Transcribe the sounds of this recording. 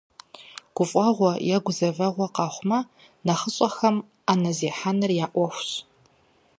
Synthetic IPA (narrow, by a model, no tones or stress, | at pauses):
ɡ̥ʷʊfʼɐʁʷɔjɛɡʷʊzɐvɐʁʷɔqɑːχʷmɐ | nɐχəɕʼɐxɐm | aːnɐzeːħanɨrjaːʔʷɔxʷɕ